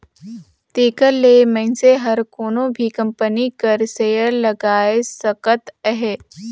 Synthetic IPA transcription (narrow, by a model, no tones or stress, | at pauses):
t̪eːkəɾlemɛ̃ɪnseɦɐɾkoːnõbʱikɐ̃mpənikəɾsejəɾlɐɡaːesəkət̪əɦe